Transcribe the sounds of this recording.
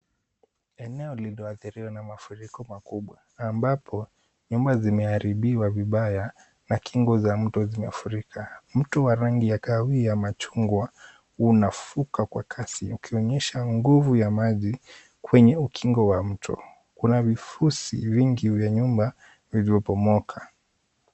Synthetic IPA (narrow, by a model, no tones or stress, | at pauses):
ɛnɛɔlilɔaθiɾiwanamafuɾikɔmakuɓwa | ambapʰɔ | ɲumbazimɛaɾiɓiwaviɓaja | nakʰiŋɡɔzam̩tɔzimɛfuɾikʰam̩tɔwaɾaŋɡijakawijamat͡ʃuŋɡwa | unafukakwakʰasiukʰiɔɲɛʃaŋɡuvujamaʄi | kwɛɲɛukʰiŋɡɔwam̩tʰɔ̰ | kunavifusḭviŋɡiuvjaɲumba | vilivɔpɔmɔkʰa